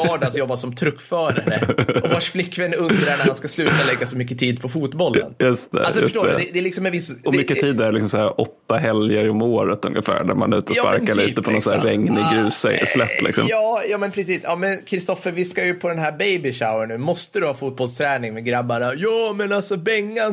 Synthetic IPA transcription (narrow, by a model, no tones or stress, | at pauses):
ɑːɖasjɔbːasɔmt̪ʰɾɵkːfœːɾaɾəɔvaʂflɪkːvɛnːɵnd̪ɾaɳæɾhanskaslʉ̟ːt̪alɛɡːasɔmʏkːət̪ʰiːd̪pʰɔfuːt̪bɔlə̰njɵst̪ʰɛ̰alsɔɵəʂʈoːɾd̪ɛd̪ɛːlɪksɔmɛnvɪsɔmʏkːət̪ʰiːd̪æɾlɪksɔmsæːɾɔt̪ːaɦɛljəɾɔmoːɾət̪ɵ̰ŋːəfæ̰ːɖæ̰ɾma̰nʉ̟ːt̪ɔpa̰ɾkaɭiːt̪əpʰɔnɔnsæːɛŋːnɪɡɾʉ̟ːsslɛt̪ːlɪ̰ksɔ̰mjɑːjɑːmɛnpʰɾɛsiːsjɑːmɛnkʰɾɪst̪ɔfəɾvɪskajɵpʰɔd̪ɛnɦæːɾbejbɪʂaʊənːʉːmɔst̪əd̪ɵhɑːfuːt̪̚bɔlst̪ʰɾɛːnɪŋmɛɡɾabːanajɑːmɛnalsɔbɛŋːan